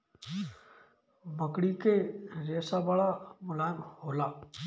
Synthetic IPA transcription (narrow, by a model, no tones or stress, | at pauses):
məkɽiːkeːɾeːsaːʋaːɭaːmʊlaːɪmhoːlaː